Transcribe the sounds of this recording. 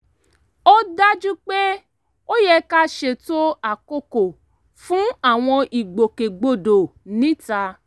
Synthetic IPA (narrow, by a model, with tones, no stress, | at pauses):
o˦da˦d͡ʒu˦k͡pe˦ | o˦jɛ˧ka˦ʃe˧to˦a˨ko˦˨ko˨ | fũ˦a˦˨w̃ɔ̃˧ʔi˨ɡ͡bo˨ke˨ɡ͡bo˨do˨nĩ˨˦ta˧